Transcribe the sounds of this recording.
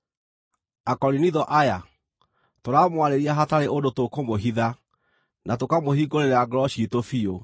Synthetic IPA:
akɔɾiniðɔʔaja | toɾamwaɾeɾiaɦataɾeʔondotokomoɦiða | natokamohiɡoɾeɾeaɡɾɔɕiitofio

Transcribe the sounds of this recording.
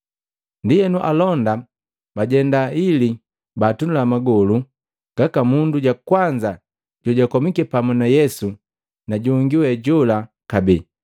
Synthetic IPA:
ndijɛnuʔalɔnda | baɟɛndaili | batunulamaɡɔlu | ɡ̥akamunduɟakwaɲd͡ʒa | ɟ̥ɔɟakɔmikɛpamunajɛsu | naɟuŋɡiwɛɟɔla | kabi

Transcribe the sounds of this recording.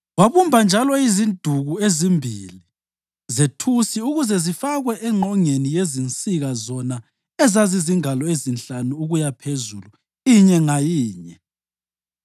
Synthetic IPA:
waβumbʱand͡ʒʱalɔizind̥ʱuɣuezimbʱḭli | zetʰusiuɣuzɛzifaɣwɛʔɛŋ͡ǃʱɔŋenijezint͡sʼiɣazɔna | ɛzaziziŋalɔezint͡ɬanuːɣujapʰezulu | iɲɛŋajiːɲɛ

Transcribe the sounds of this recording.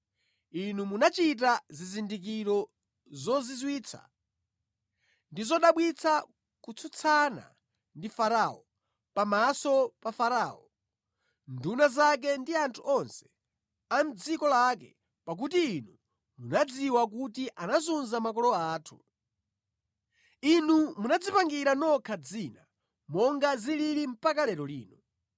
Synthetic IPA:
inumunat͡ʃit̬azizindik̬iɾɔ | zɔzizwiːt͡sʰa̰ | ndizɔɗaɓwit͡sʰa | kut͡sʰut͡sʰana̰ | ndifaɾaɔ | pamasɔpafaɾaːɔ | ndunazak̬ɛndiantʰuʔɔnsɛ̥ | am̩d͡zikɔlakɛ̰ | pak̬utiːnu | munad͡ziwak̬utiʔanazunzamak̬ɔlɔaːtʰu | inumunad͡zipaŋɡiɾanɔkʰad͡zina | mɔŋɡazililim̩pakalɛɾɔlḭːnu

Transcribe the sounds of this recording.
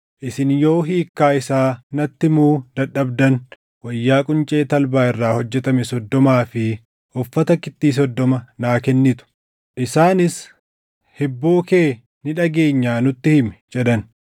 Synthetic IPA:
ʔɪsɪnjo̞ːɦiːkːaːɪsaːnɐt̪ːɪmuːd̪ɐɗɐbd̪ɐn | wɐjːaːkʼʊnt͡ʃʼeːt̪ɐlbaːɪrːaːhɔd͡ʒːɛt̪ɐmɛsɔd̪ːɔmaːfɪ | ʔʊfːɐt̪ɐkːɪt̪ːiːs̬ɔd̪ːɔmɐnaːkɛnːɪt̪ʊ̥ | ʔɪsaːnɪs | hɛbːo̞ːke̞ː | nɪᶑɐɡe̞ːɲːaːnʊt̪ːɪhɪmɛ̥d͡ʒɛᶑ̪ɐn

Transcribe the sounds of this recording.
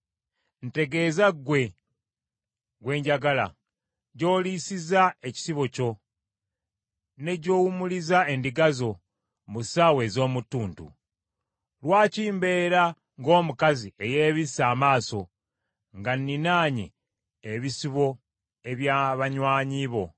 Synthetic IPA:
n̩te̞ɡe̞ːzaɡwe̞ | ɡwe̞ːɲɟaɡala̰ | ɟo̞ːlisizaeci̥siβo̞co̞ | ne̞ɟo̞ːwumulizae̞ndiɡazo̞ | musaːwe̞ːzo̞ːmutːuːntṵ | lwaːciːmbe̞ːɾa | ŋɡo̞ːmukazie̞je̞ːβisaːmaːso̞ | ŋɡanːinaːɲḛː | βisiβo̞ | e̞βjaβaɲwaːɲiːβo̞

